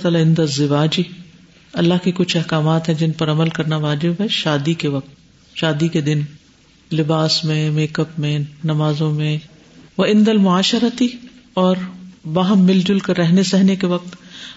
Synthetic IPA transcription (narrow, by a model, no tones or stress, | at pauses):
t̪aːlaɪ̃nd̪ɐzːɪʋaːd͡ʒi | ɐlːaɦkikʊt͡ʃʰɛɦkaːmaːt̪ɦɛ̃d͡ʒɪnpɐɾɐməlkɐɾnaʋaːd͡ʒɪbɦɛʃaːd̪ikeʋɐq̚t̪ | ʃaːd̪iked̪ɪn | lɪbaːsmẽmeːkəpmẽnɐmaːzõmẽ | ʋɐɪ̃nd̪ɐlmʊaːʃəɾɐt̪i | ɔːɾbaɦmːɪld͡ʒʊlkɐɾːɛɦnesɛɦnekeʋɐq̚t̪